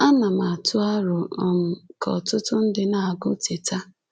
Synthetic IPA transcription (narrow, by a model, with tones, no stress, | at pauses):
a˦na˨ma˨a˨tʊ˦a˦ɾʊ˨ɔ˨ŋ̩˨kʰɔ̰˨tʊ˦tʊ˦n̩˦dɪ˦na˨a˨ɡʊ˦te˨ta˦